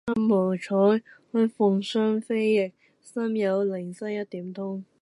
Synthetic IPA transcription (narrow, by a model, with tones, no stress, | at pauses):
sɐ˥mːɔː˨˩wt͡ʃʰɔː˨˥jhɵ˨˥fʊ˨˩ŋsœː˥ŋfe˥jːɪ˨k̚ | sɐ˥mjɐ˨˧wlɪ˨˩ŋsɐ˥jɐ˥t̚t̪iː˨˥mt̪ʰʊ˥ŋ